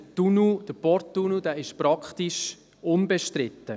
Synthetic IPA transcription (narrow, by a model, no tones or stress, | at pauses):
tunud̥əpɔɾt̪ːunud̥̪æːɪʃpɾɑkχt̪iʃ | ʊnbɛʃtɾɪt̪ːə